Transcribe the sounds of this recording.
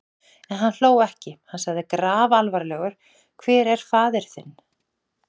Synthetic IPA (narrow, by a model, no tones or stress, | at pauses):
ɛnɦanl̥oːwɛhcɪhansaɣðɪkɾaːvalvaɾlɛːɣʏɾ̥ | kʰvɛːɾɛɾ̥faːðɪɾ̥θɪnː